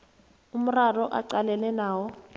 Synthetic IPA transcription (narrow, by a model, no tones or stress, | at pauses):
um̩rarɔʔa̰ǀalɛlɛnaːwɔ